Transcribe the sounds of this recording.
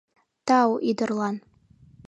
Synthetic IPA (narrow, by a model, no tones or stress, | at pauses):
tawʔidɨrlˠan